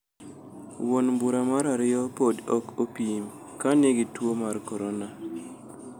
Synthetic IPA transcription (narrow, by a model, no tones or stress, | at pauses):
wonmbuɾamaɾaɾɪɔpodɔkopim | kaneɡitwomarkɔɾona